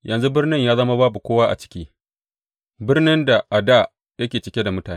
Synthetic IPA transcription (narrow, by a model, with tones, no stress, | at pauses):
jɐ˨nzu˦bɪ˦rnɪ˦ɲjaː˦zɐ˦ma˦baː˦bu˨kʷoː˦waː˦ʔa̰˨t͡ʃɪ̥˦kʲiː˦ | bɪ˦rnɪ˦nda˨ʔa˨da˦˨ | jɐ˦kʲeː˨t͡ʃɪ˨kʲe˦da˨mʊ˦taː˨˦